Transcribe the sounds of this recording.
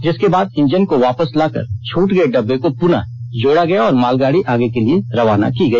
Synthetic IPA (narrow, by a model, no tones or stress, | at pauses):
d͡ʒɪskebaːd̪ɪ̃ɲd͡ʒənkoʋaːpəslaːkə̰ɾt͡ʃʰuːʈɡɐeɖɐbːekopʊna̰ | d͡ʒoːɽaɡɐjaɔːɾmaːlɡaːɽiʔaːɡekelieɾɐʋaːna̰kiɡɐiː